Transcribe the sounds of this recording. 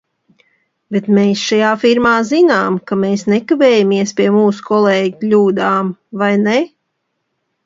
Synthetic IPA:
bet̪meːsʃajaːfiɾmaːzinaːmkameːsnekaveːjamiɛspiɛmuːsu̥kɔlˠeːɟiklʲuːd̪aːmvajne

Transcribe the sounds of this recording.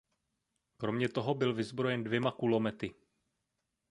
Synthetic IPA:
kɾo̞mɲɛt̪o̞ɦo̞bɪlvɪzbɾo̞jɛndvjɛmakulo̞mɛt̪ɪ

